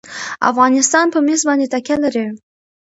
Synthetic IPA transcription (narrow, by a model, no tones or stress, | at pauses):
a̰fɣɑnɪst̪ɑnpəmesbɑnd̪et̪akʲalaɾi